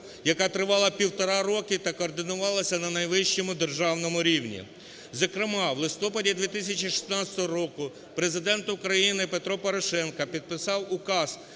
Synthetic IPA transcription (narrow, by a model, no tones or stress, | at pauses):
jɐkat̪ɾɪʋɑlˠɐpʲiwt̪ɔɾɑɾɔkɪt̪ɐkɔːrd̪ɪnʊʋɑlˠɐsʲɐnɐnɐjʋɪʃt͡ʃɔmʊd̪erʒɑwnɔmʊɾʲiwnʲḭ | zɐkɾɪmɑʋlˠɪst̪ɔpɐdʲid̪ʲʋʲit̪ɪsʲɐt͡ʃʲiʃi̥snɑsʲɐ̥t̪ɔɦɔɾɔkʊ | pɾezɪd̪ɛnt̪ʊkɾɐjinɪpe̞t̪ɾɔpɔɾɔʃɛnkɐpʲid̪̚pɪsɑwʊkɑz̥